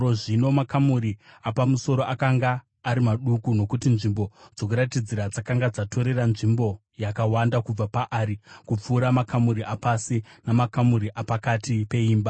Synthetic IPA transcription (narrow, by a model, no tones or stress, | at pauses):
oʐino̞makamuɾiapamuso̞ɾo̞ʔakaŋɡaː | ɾimaɗukuno̞kutinʐimbo̞d͡zo̞kuɾatid͡ziɾad͡zakaŋɡad͡zatʰo̞ɾe̞ranʐimbo̞ | jakawandakub͡vapaʔaːɾikup͡fuːɾamakʰamuɾiapasinamakamuɾiʔapakatipe̞iːmba